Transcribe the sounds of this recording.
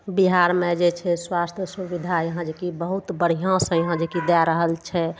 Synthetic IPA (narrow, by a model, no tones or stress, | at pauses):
biɦaɾmẽd͡ʒet͡ʃʰɛswast̪ʰjəsubid̪ʱajəɦãd͡ʒekibəɦut̪bəɽ̤ijãsə̃jəɦãd͡ʒekid̪ɛɾəɦəlt͡ʃʰɛ